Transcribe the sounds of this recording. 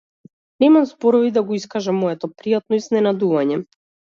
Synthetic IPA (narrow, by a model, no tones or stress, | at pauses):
nɛmamzbɔɾɔvid̪aɡɔiskaʒamɔɛt̪ɔpɾijat̪nɔiznɛnad̪uvaɲɛ